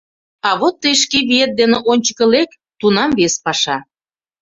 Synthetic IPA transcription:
ɑβot̪ːəjʃ̬keβiet̪̚d̪eneʔonʲt͡ɕə̥̆kə̆lek | t̪unɑmβespɑʃɑ

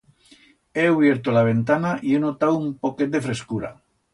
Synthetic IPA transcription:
euβjeɾt̪olaβ̞ent̪anaʔienot̪awumpoket̪̚d̪efɾeskuɾa̰

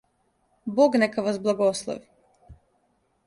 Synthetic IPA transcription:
boɡnekaʋasblˠaɡoslˠo̰ʋi

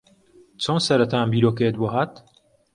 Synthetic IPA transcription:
t͡sʰonsɐɾɐt̪ʰaːnbiːɾoːkeet̪̚boɦaːt̪

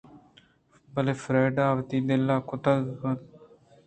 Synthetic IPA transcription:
bəleːfʰɾɛːɖaːʋt̪iːd̪ɪlːaːkʊt̪əlkən

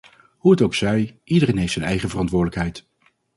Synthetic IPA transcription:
huətowksɛjʔidərejnɦejftsɛnɛ̰jχəvərɑntʋʊːɹdələkɦɛjt

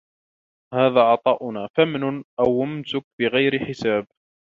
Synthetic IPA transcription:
haːðaːʕɑt̪ˤɑːʔʊnaːfamnʊnʔawʊmsʊk̚bɪɣajɾɪħɪsaːb̚

